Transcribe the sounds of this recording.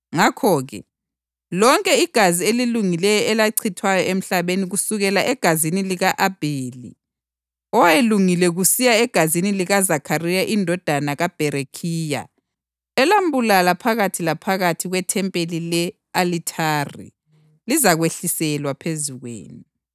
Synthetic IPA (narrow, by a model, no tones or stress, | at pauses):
ŋakʰɔːɣɛ̰ | lɔŋkʼɛiɡ̥ʱazieliluŋilɛjɔɛlaǀʰitʰwajɔem̩ɬaβeniɣusuɣɛlaʔɛɡ̥ʱaziniliɣaʔab̥ʱeːlḭ | ɔwajeluŋilɛɣusijaɛɡ̥ʱaziniliɣazakʰarijaʔindʱɔd̥ʱanaɣab̥ʱɛɾekʰiːja̰ | ɛlambʱulalapʰaɣatʰilapʰaɣatʰiɣwɛtʰɛmpʼelilɛ | alitʰaːrḭ | lizaɣweɬisɛlwapʰezuɣwḛːni